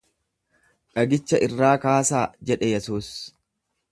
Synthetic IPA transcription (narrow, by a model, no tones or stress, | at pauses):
ᶑɐɡɪt͡ʃːɐʔɪrːaːkaːsaːd͡ʒɛᶑɛjɛsuːs